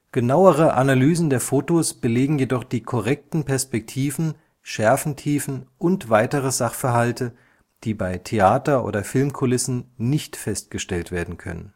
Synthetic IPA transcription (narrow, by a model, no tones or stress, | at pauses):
ɡ̥ənaʊəʁəʔanalyːzn̩deːɐfoːtosb̥əleːɡŋ̩jedɔχd̥iːkʰɔʁɛk̚tn̩pʰɛɐspɛk̚tʰiːvn̩ | ʃɛɐfn̩tʰiːfn̩ʔʊntv̥aɪtəʁəzaχfɛɐɦaltə | d̥iːbaɪtʰeaːtɐʔo̰ːdɐfɪlmkʰʊlɪsn̩nɪçtfɛst̚ɡ̥əʃtɛltv̥eːɐdn̩kʰœ̰nə̰n